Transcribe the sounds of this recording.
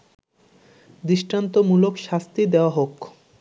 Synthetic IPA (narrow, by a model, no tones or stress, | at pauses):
d̪iʃʈant̪omulokʃast̪id̪eoaɦok